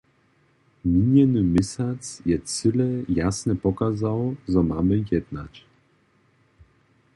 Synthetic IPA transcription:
mʲiɲjɛnɨmɪsat̪sjɛt͡s̪ɘlɛjasnɛpɔkazawʐɔmamɘjɛd̪na̰t͡ɕ

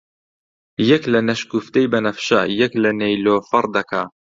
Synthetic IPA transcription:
jɐklɐnɐʃkuft̪ɐjbɐnɐfʃɐ̰jɐklɐnejloːfɐɾˤd̪ɐkʰa

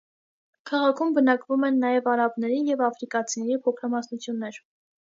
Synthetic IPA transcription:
kʰɑʁɑkʰumbənɑkvumɛnːɑjɛvɑɾɑbnɛɾijɛvɑfɾikɑt͡sʰinɛɾipʰɔkʰɾɑmɑsnut͡sʰjunːɛɾ

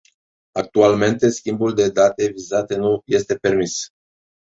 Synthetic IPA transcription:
ak̚t̪ualme̞nt̪e̞skʲimbuld̪e̞d̪at̪e̞vizat̪e̞nuje̞st̪e̞pe̞rmis

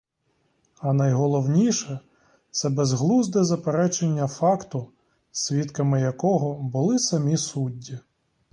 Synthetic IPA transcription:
ɐnɐjɦɔlˠɔwnʲiʃɛ | t̪sɛbezɦlˠuzd̪ɛzɐpeɾɛt͡ʃenʲːɐfɑkt̪ʊ | sʲʋʲit̪kɐmɪjɐkɔɦɔbʊlˠɪsɐmʲisudʲːi

